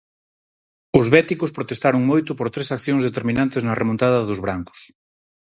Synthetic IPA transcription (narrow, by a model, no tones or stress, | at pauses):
ʊzβɛt̪ikʊspɾot̪est̪aɾʊŋmojt̪ʊpoɾt̪ɾesakθjõŋzðet̪eɾmĩnãnt̪eznɐremõnt̪aðɐðʊzβɾaŋkʊ̥s